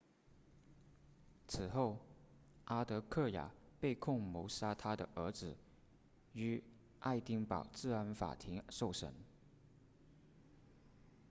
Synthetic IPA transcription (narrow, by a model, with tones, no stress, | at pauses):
t͡sʰɹ̩˨˩xo˥˩ʊʔa˥t̪ɤ˧˥kʰɤ˥˩ja̰˨˩pe˥˧ɪkʰʊ˥˩ŋmo˧˥ʊsa˥t̪ʰa˥d̪ə˨ʔə˧˥t͡sɹ̩˨˩ | y˧˥ | ʔa˥˧ɪt̪i˥ŋpɑ˨˩ʊt͡sɹ̩˥˩a˧˥nfa̰˨˩t̪ʰi˧˥ŋʂo˥˩ʊʂə̰˧˥n